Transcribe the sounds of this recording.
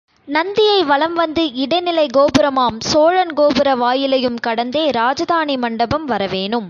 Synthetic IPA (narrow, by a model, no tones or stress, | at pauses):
nɐnd̪ɪjɐɪʋɐɭɐmʋɐnd̪ɯɪɽɐɪnɪlɐɪɡoːbɯɾɐmaːmsoːɻɐnɡoːbɯɾɐʋaːjɪlɐjɯmkɐɽɐnd̪eːɾaːd͡ʒɐðaːnimɐɳɖɐbɐmʋɐɾɐʋeːnɯm